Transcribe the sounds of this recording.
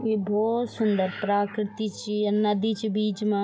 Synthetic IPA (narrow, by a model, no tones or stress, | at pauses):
ibʱoːt̪sʊnd̪əɾpɾaːkɾɪt̪it͡ʃiɐnɐd̪it͡ʃibiːt͡ʃmã